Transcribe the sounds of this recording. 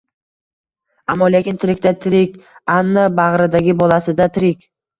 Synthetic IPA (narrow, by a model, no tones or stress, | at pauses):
amːɒlekʲɪnt̪ʰɪɾɪkʲt̪at̪ʰɪɾɪkʲanːabaʁɾɪd̪aɡʲɪbɒlˠasɪd̪at̪ʰɪɾɪkʲ